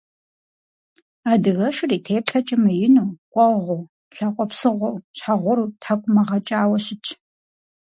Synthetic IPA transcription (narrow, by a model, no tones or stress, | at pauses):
aːdɨɣɐʃɪriːtʰeːpɬɐt͡ʃʼɪmɐjɪnuːqʷʼɔʁʷow | ɬaqʷʼɔpsɨʁʷɔwɕħaʁʷɔɾuːtʰakʷʼʊmɐʁɐt͡ʃʼaːwɐɕɪt͡ʃʰ